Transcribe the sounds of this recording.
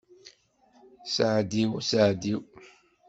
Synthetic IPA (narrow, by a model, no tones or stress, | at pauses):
saʕd̪iwsaʕd̪iw